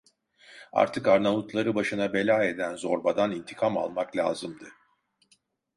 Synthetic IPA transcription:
a̰ɾt̪ʰɯkaɾnamut̪lˠaɾɯbaʃɯnabe̞lʲaːe̞d̪ænzoɾbad̪anint̪ʰi̥kʰama̰lˠmaklʲa̰ːzɯmd̪ɯ

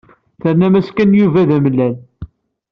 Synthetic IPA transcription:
θəɾnæmæskænjuvæðæməlːæl

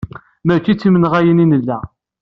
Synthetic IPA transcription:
mækːit͡sːimənʁæjəninəlːæ

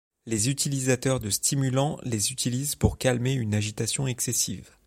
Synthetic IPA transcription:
lezyt̪ʰilizat̪œʁd̪əst̪imylɑ̃lezyt̪ʰilizpuʁkalmeynaʒit̪asjɔ̃ɛksesḭv

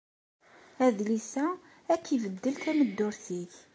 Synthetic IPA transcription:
æðlisæ | ækːivəd̪ːəlθæməd̪ːʊɾθiç

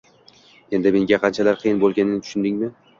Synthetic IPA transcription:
e̞nd̪ɪme̞ŋɡʲaqʰɑnt͡ʃʰalaɾqʰɨjɪnbolˠɡʲanɪnɪt̪ʰʊ̥ʃʊnd̪ɪŋmɪ

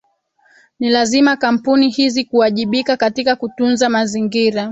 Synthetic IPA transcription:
nilazimakam̩punihizikuaʄiɓikakatikakutunzamaziŋɡiɾa

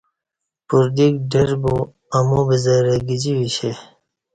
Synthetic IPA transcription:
puɾd̪ikɖeɾbu | ɐmobizɐɾeɡid͡ʑiwiɕe

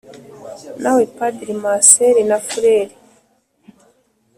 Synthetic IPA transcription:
nawepadɾimaseɾinafuɾeɾi

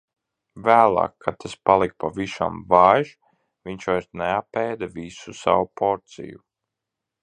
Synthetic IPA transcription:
væːlˠɑ̰ːkʰːat̪ʰaspalˠik̚pavisa̰mvajʃ | viɲt͡ʃvajɾsneapɛːd̪avisusa̰wupʰɔɾt̪sḭjṵ

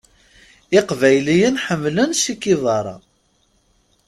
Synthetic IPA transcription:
ɪqvæjlijənħəmːlənsikːiðˤɑɾˤɑ̰

